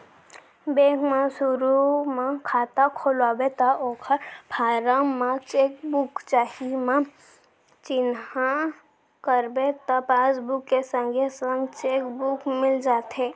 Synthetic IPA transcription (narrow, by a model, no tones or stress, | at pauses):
beːkmãsʊɾumãkʰaːt̪akʰoːlaːbet̪aoːkʰəɾpʰaːɾãmãt͡ʃeːkbukt͡ʃaːɦimã | t͡ʃɪnhã | kəɾbet̪apaːsbukːesə̃ŋɡʱesə̃ŋɡt͡ʃeːkbukmɪld͡ʒaːt̪ɦe